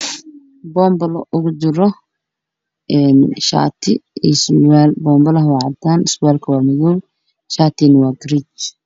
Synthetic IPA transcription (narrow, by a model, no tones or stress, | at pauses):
bɔːmbɐlʔʊɣʊd͡ʒɪɾɔ | ɛːnʃa̰ːt̪ʰɪiswaːlbɔːmbɐlɐɦwɑʕɑt̪ʰaːnɪswaːlkʰɐwaːmɐðɔw | ʃaːt̪ʰinɐwaːɡɾit͡ʃ